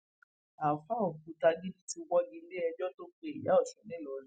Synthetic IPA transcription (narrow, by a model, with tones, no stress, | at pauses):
a˨fa˦ɔ˨kũ˧˦ta˧ɡi˦dĩ˦ti˧wɔ˦ɡĩ˧˦le˦ɛ˧d͡ʒɔ˦to˦k͡pe˦i˨ja˨˦ɔ˦˨ʃɛ̃˨nɛ̃˦˨lɔ˨l